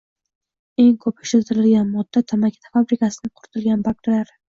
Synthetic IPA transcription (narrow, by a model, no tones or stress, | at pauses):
e̞ŋkʰɵpɪ̥ʃlɪlt̪ʰɪɾɪlɡʲanmɒd̪ːat̪ʰamakʲʰḁt̪ʰafabɾɪkasɪnɪŋqʰʊɾɪt̪ʰɪlɡʲanbakʲɾɪlaɾ